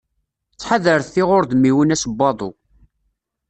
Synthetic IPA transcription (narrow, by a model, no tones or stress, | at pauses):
t͡sːħaðəɾθθiʁʊɾðmiwənæsbːɑðˤo̰